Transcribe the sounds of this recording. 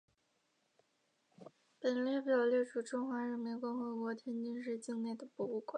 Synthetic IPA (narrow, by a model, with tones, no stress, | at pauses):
pə˨˩nlɛ˥˩pjɑ˨˩ljɛ˥˧ʈ͡ʂʰu˥˩ʈ͡ʂʊ˥ŋxwa˧˥ɻə˧˥nmi˧˥nkʊ˥˩ŋxɤ˧˥kwɔ˧˥t̪ʰjɛ˥nt͡ɕi˥nʂ̬ɻ̩˥˧t͡ɕi˥˧ŋne˥˩ɪd̪ə˩pu˧˩u˥˩kwe˨˩˦